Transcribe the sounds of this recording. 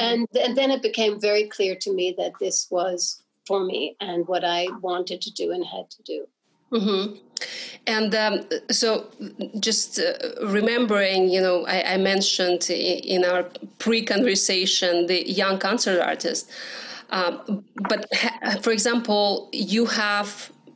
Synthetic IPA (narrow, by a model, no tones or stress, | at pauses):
ɨ̃nɨ̃nðɨ̃nɨt̚b̥ɨkʰẽɪ̃ɱvɛɹikʰl̥ɪɹɾɨmiðɨt̪̚ðɪswʌz̥ | fə˞mḭɨ̃nwʌɾaɪwɑ̃ntɨd̚tʰɨdɨɨ̃nɨd̚tʰɨdʉ | m̩m̥m̩ | ɨ̃ndsoʊd͡ʒʌstɹɨmɛ̃mbə˞ɪ̃ŋjɨnoʊʔa̰ɪʔa̰ɪmɛ̃nʃɨ̃ndʔɪ̃naʊə˞pʰɹ̥ikɔ̃nvə˞seɪʃɨ̃nðɨjʌ̃ŋkʰɑ̃nsə˞tɑ̰ɹtɪ̰stʔbʌthfə˞ɨɡzæ̃mpʰl̩ˠjɨhæv̥